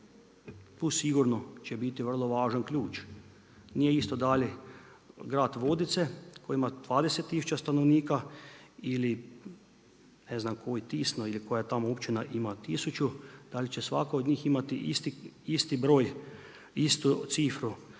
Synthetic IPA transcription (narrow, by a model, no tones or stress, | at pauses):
t̪usiɡuɾnot͡ʃebit̪iʋər̩lˠoʋaːʒankʎʲuːt͡ʃ | nijeist̪od̪alʲɛ | ɡɾaːt̪ʋod̪it̪sekʰojimad̪̥ʋaːd̪eset̪ːisut͡ʃast̪anoʋniːka | ili | neznamkojit̪isnoilikojat̪amoopt͡ʃinaʔimat̪isut͡ʃud̪̥alit͡ʃesʋa̰kaod̪ɲiːximat̪iʔist̪iist̪ibɾoːj | ist̪ut̪siːfɾu